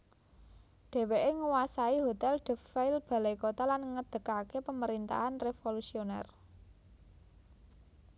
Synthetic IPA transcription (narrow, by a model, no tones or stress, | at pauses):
ɖ̥e̤weʔeŋəwasaiɦot̪ɛlɖ̪̥ə̤faɪlb̥ä̤lekot̪alanŋəd̪̥ə̤kakepəməɾint̪a̰ɦanrefolusionɛ̰r